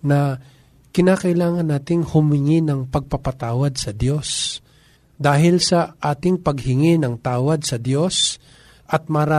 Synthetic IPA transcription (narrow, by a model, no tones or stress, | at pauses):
nɐ | kɪnaːkɐʔɪlaːŋɐnːaːt̪ɪŋhʊmɪŋɪnɐŋpɐɡ̚pɐpɐt̪aːwɐd̪̚sɐd̪jo̞s | d̪aːɦɪlsɐʔaːt̪ɪŋpɐɡ̚hɪŋɪnɐŋt̪aːwɐd̪̚sɐd̪jo̞s | ʔɐt̪̚mɐɾa